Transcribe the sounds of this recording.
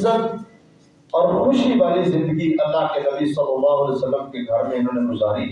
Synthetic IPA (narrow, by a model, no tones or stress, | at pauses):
zət̪ | ɔːɾxʊʃiʋaːlizɪ̃nd̪əɡiʔɐlːaɦkenɐbisɐlːɐlːaːɦʊɐːleʊsɐlːəmkeɡʱɐɾmẽɦɐnẽɡʊzaːɾiː